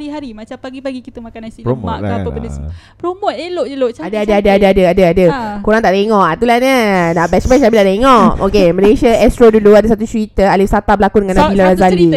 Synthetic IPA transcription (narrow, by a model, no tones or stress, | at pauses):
ɾiɦaɾimat͡ʃampaɡipaɡikit̪umakanansipmo̰aəpədəs | pɾomot̪eloʔeloʔt͡ʃadaadaadəadəadəadəadəkuɾaŋt̪aʔt̪eŋɔʔat̪ulanənaʔbɛt͡ʃbɛt͡ʃabiladeŋɔʔʔo̰keməlesaɛst̪ɾoduluadasat̪ut͡ʃəɾit̪əalɪfsat̪abəlakudəŋanːabilaɾazali